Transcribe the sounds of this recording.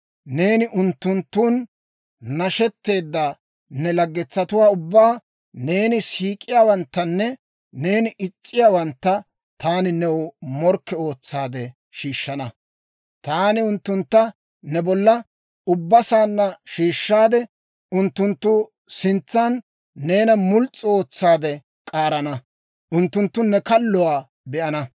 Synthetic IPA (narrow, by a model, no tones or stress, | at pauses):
ne̞ːnɪʔʊnt̪ːʊnt̪ːuːn | nɐʃɛt̪ːe̞ːd̪ːa | nɛlɐɡːɛt͡sːɐt̪ʊwaːʊbːaː | neːnɪsiːkʼːɪjaːwɐnt̪ːɐnːɛ | ne̞ːnɪʔɪt͡sʼːɪjaːwɐnt̪ːɐ | t̪aːnɪnɛwmɔɾkːɛo̞ːt͡sːaːd̪ɛ | ʃiːʃːɐnɐ | t̪aːnɪʊnt̪ːʊnt̪ːɐ | nɛbɔlːɐ | ʊbːɐsaːnːɐʃiːʃːaːd̪ɛ | ʔʊnt̪ːʊnt̪ːʊ | sɪnt͡sːanː | e̞ːnɐmʊlt͡sʼːɪo̞ːt͡sːaːd̪ɛ | kʼaːɾɐnɐ | ʔʊnt̪ːʊnt̪ːʊnɛkɐlːɔwaː | bɛʔɐnɐ